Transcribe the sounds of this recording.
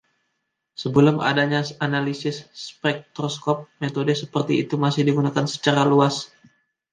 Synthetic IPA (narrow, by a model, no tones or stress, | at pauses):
səbəlʊma̰daɲasanalisɪsːpɛk̚t̪ɾɔskɔp̚met̪odəsəpərt̪iːt̪umasɪhdiɡunakansə̥t͡ʃaɾaluas